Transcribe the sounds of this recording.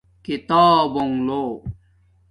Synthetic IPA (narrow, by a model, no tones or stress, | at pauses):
kit̪ɔːboŋlo